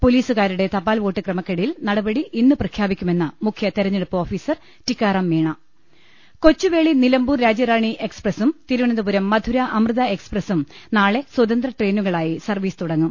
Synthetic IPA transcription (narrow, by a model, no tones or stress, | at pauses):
poliːsuɣaːɾuɽe̞t̪ɐpːaːlʋo̞ːʈːɨkrɐmɐkːeɽɐjilnɐɽɐbɐɽiʔinːuprɐkʰjaːbikʲːume̞nːɨmukʰjɐt̪eɾɐɲːeɽupːɐoːfiːsɐr | tikːaːrɐmːiːɳɐ | ko̞t͡ɕːuʋe̞ːɭinilɐmbuːrɾaːd͡ʑɐɾaːɳiʔe̞ksprɐsumt̪iɾuʋɐɳɐnd̪ɐbuɾɐmːɐd̪ʱuɾɐʔɐmrɨðɐe̞ksprɐsumnaːɭe̞swɐd̪ɐnd̪rɐʈre̞ːnuɣɐɭaːjisɐrʋiːsɨ̥t̪uɽɐŋːum